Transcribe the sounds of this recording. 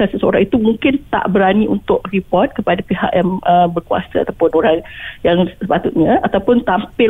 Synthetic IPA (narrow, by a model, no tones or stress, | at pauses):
asəsəo̰ɾaŋit̪umuŋkɪnt̪a̰ʔbəɾaniṵnt̪ʊʔripɔrt̪̚kəpadapiɦa̰ʔjaŋəbərkua̰saa̰t̪awpʊnoɾaŋjaŋsəpat̪ʊt̪̚ɲãat̪awpʊnt̪ampɪ